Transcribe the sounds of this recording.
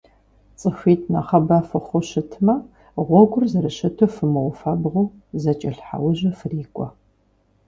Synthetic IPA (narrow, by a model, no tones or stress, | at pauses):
t͡sʼɨfʷiːtʰnɐχɐbɐfɨχʷʊɕɪtʰmɐ | ʁʷɔɡʷʊrzɐɾɨʃɐtʰofɨmɐwʊfɐbʁʷuː | zɐt͡ʃʼɐɬħa̰wʊʑɐfɨriːkʷʼɔ